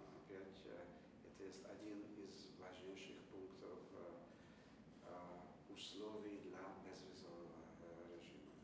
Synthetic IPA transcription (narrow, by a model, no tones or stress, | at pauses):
apʲjatʲ | ɛt̪əjɛst̪adʲinizvaʒɲejʃɪxpuŋkt̪ʰof | uslˠovʲijd̪lʲabɛzvʲɪzovnəvə | ɾɛʒḭmɐ